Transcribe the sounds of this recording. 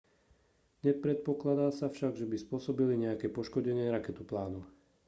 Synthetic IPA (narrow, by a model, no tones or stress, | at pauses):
ɲɛpɾɛt̪̚pɔklad̪aːsafʃaɡʒɛbispʊɔsɔbiliɲɛakɛːpɔʃkɔɟɛɲɪɛɾakɛt̪uplaːnu